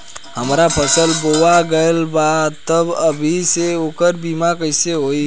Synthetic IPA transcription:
həmɾapʰəsəlboʋaɡəelbat̪əbəbʱiseoːkəɾbimakəɪseɦoi

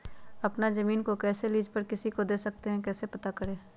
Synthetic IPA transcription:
ɐpnazɐmiːnkokɛːseliːd͡ʒpɐɾkɪsikod̪eːsɐk̚t̪eɦɛ̃kɛːsepɐt̪akɐɾẽː

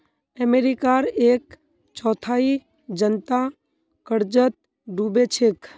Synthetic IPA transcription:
əmeɾikaɾeːk | t͡ʃɔːt̪ʰaːi | d͡ʒənt̪a | kəɽd͡ʒət̪̚ | ɖuːbet͡ʃʰek

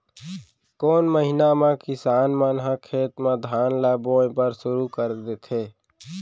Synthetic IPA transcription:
koːnməɦɪnamãkɪsaːnmənɦãkʰeːt̪mãd̪ʱaːnlaːbõːẽpəɾsʊɾukəɾd̪et̪ʰeː

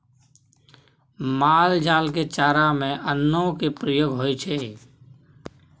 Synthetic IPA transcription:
maːld͡ʒaːlket͡ʃaːɾamẽʔənːõkepɾəjoːɡʱɦoːit͡ʃʰeː

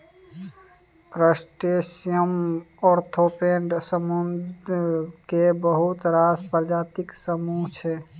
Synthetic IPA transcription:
pɾəsʈesjəmɔɾt̪ʰopeɳɖsəmund | kebəɦut̪ɾaspəɾd͡ʒaːt̪iksəmuɦt͡ʃʰɛ

